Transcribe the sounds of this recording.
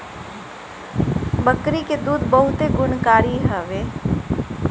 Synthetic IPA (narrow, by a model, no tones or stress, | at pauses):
bəkɾiked̪uːd̪bəɦʊt̪eɡʊnkaːɾiɦəʋeː